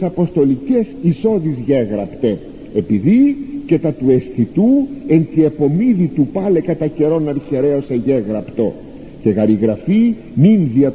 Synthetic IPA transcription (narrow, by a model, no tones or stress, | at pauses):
sɐpo̞st̪o̞lice̞siso̞ðizʝeɣɾɐpt̪e̞ | epiðicet̪ɐt̪ue̞sθit̪ue̞nt̪ie̞po̞miðit̪upɐle̞kɐt̪ɐce̞ɾo̞nɐɾçe̞ɾe̞oseʝe̞ɣɾɐpt̪o̞ | ce̞ɣɐɾiɣɾɐfi | minðiɐ